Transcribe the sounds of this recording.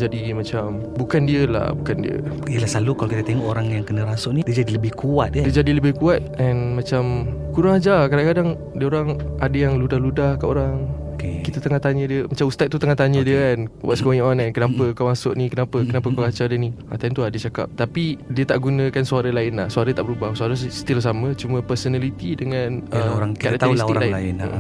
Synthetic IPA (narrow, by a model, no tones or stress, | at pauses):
d͡ʒadimat͡ʃam | bukandiəla̰hbukandiə̰iəlahsalukalokit̪ət̪eŋɔʔoɾaŋjaŋkənəɾasʊʔnidiəd͡ʒadiləbɪhkuat̪̚diəd͡ʒadiləbɪhkuat̪̚ʔɛnmat͡ʃamkuɾaŋad͡ʒakadaŋkadaŋ | diəoɾaŋadəjaŋludahludahkaʔoɾaŋkekit̪ət̪əŋaht̪aɲə̃diəmat͡ʃamust̪at̪̚tːut̪əŋaht̪aɲə̃diəkanwa̰ʔ̪sə̥koɲʔɔnankənapəkamasʊʔnikənapəkənapəkuɾaŋad͡ʒadənia̰t̪ant̪uadət͡ʃaka̰p̚t̪apidiət̪aʔɡunə̃kansuaɾəlaɪnlahsuaɾət̪aʔbəɾubahsuaɾəsə̥t̪ilsamə̃t͡ʃumə̃pəɾsənalit̪idəŋãnəɾaŋkaʔat̪isiklaɪaɪnəʔ